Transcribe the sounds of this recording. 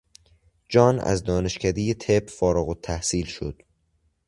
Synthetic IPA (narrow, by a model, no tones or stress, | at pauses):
d͡ʒɒːnæ̰zd̪ɒːne̞ʃcʰæd̪ejet̪ʰebfɒːɾoɣot̪ʰːæhsiːlʃo̰d̪̥